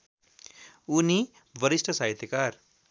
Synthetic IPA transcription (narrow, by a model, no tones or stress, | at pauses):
uni | bʌɾisʈʰʌsaɦit̪ekaɾ